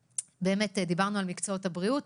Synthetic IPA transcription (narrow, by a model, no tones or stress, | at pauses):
be̞ːmetd̪ibaʁnualmikt͡soothabʁiut